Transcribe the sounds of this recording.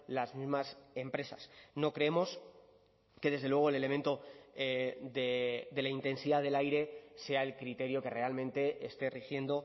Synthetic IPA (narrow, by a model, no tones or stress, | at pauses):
lazmizmase̞mpɾe̞sasno̞kɾe̞emo̞s | ke̞ðe̞zð̞elwe̞ɣ̞oele̞le̞mẽnt̪o̞eðed̪e̞laint̪e̞nsiðaðe̞lajɾe̞se̞ae̞lkɾit̪e̞ɾjo̞ke̞re̞almẽnt̪e̞est̪e̞rixje̞nd̪o̞